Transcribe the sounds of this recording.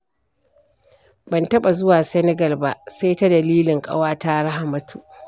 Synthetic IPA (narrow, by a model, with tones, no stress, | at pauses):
bɐ˨ntɐ˦ɓa˨zʊ˦waː˨sɛ˦nɛ˦ɡɐ˨lba˦ʔsa˦jta˦dɐ˨liː˦lɪ˨ŋkʼɐ̰˦waː˦ta˦ɽa˦ha˨mɐ˨˦tʰu˨ʔ